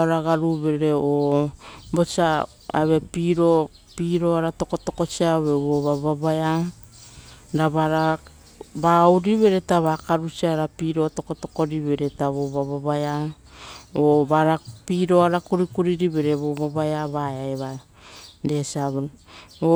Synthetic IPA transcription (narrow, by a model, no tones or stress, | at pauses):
oɾaɡaɾuβe̞ɾeo | bo̞t͡ʃa | a̰βe̞piɾo | piɾoaɾato̞ko̞to̞ko̞t͡ʃiaoβe̞βoβaβaβaa | ɾaβaɾa | bauɾiβe̞ɾetaβakaɾut͡ʃiaɾapiɾo̞to̞ko̞to̞ko̞ɾiβe̞ɾetaβoβaβaβaja | oβaɾapiɾo̞aɾakuɾikuɾiɾiβe̞ɾe̞βoβaβajaβaaeβa | de̞siaβo